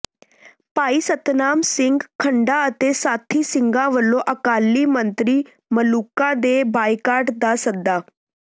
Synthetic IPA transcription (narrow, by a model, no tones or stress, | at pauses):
paiːsət̪namsiŋɡkʰːəɳɖaət̪esat̪ʰiːsiŋɡãʋəlːoʔəkalːiːmənt̪ɾiː | məlukãd̪ebajkaɾʈd̪asəd̪ːa